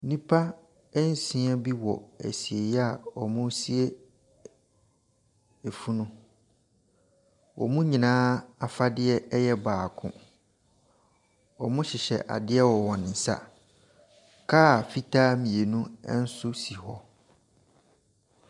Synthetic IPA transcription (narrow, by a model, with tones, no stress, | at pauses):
nĩ˦pʰa˦ | n̩˦sĩ˦a˦bi˦wɔ̰˨æ̰˨si˨e˨jɛ˦a˨ɔ˨mʊ̃˦si˦e˦ | e˨fu˦nʊ̃˦ | wʔɔ̰˨mũ˦ɲĩ˨nãː˦a˨fa˦dɪ˦ɛ˦ɛ˦jɛ˦baː˨kʰʊ̰̃˦ | ɔ˨mʊ̃˦ɕɪ˨ɕɛ̰˨ʔa̰˨dɪ˦ɛ˦wɔ˨wɔ̃˨n˨n̩˨sa̰˦ | kʰa˦˨fi˦tʰaː˦mĩ˨e˨nũ˦n̩˦sʊ˦si˨hɔ˦